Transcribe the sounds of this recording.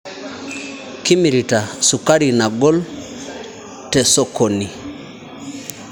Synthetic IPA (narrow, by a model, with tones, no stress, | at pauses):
ki˦mi˨ɾi˨ta˨su˨ka˦ɾi˨na˨ɡo˦l | te˨so˦ko˨ni˨